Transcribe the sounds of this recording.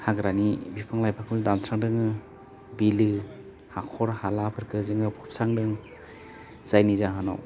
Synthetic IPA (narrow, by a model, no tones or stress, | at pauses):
haɡɾanibipʰaŋlajpʰakʰuldansaŋdɯŋɯ | bilɯ | hakʰɔɾhalapʰɯɾkʰɯzɯŋɯpʰup̚saŋdɯŋ | z̥ajnizaɦana̰w